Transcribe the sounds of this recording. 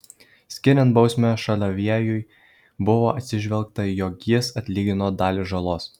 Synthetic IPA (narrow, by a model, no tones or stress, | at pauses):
sʲkʲɪɾʲɛnt̪bɒʊsʲmʲɛʃɐlʲoʋʲiɛjʊj | bʊʋoːʔɐt̪ʲsʲɪʒʲʋʲɛlˠˑk̚t̪ɐjoːkʲɪsɐt̪ʲlʲiːɡʲɪnoːd̪ɑːlʲɪʒɐlˠoːs